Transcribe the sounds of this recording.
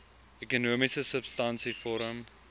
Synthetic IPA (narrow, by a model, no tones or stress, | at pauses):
ɛkənoːmɪsəsəb̥stãnsifɔːɾə̃m